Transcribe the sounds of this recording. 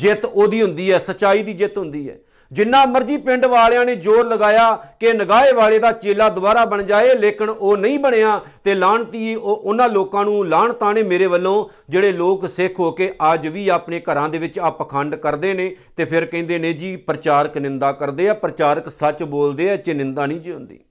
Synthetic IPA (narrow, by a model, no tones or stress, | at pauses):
d͡ʒɪt̪oːd̪iːɦʊnd̪iːɦɛːsət͡ʃaːiːd̪iːd͡ʒɪt̪ɦʊ̃nd̪iːɦɛ̰ː | d͡ʒɪnːãːməɾd͡ʒiːpɪɳɖʋaːljãːneːd͡ʒoːɾləɡaːjaːkenəɡaːeːʋaːɭeːd̪aːt͡ʃeːlaːd̪ʊbaːɾaːbəɳd͡ʒaːeːleːkɪnoːnəĩːbəɳeːãːt̪eːlaːɳt̪iːoʔʊnãːloːkãːnũːlaːɳt̪aːneːmeːɾeːʋəlːõː | d͡ʒeːɽeːloːksɪkʰɦoːkeːʔəd͡ʒʋiːaːpneːkəɾãːd̪eːʋɪt͡ʃəpkʰəɳɖkəɾd̪eːneːt̪eːpʰɪɾkɛ̃ːnd̪eːnẽːd͡ʒiːpɾət͡ʃaːɾəknɪnd̪aːkəɾd̪eːɛːpɾət͡ʃaːɾəksət͡ʃboːld̪eːɛːt͡ʃenɪnd̪aːnĩːd͡ʒeɦʊ̃nd̪ḭː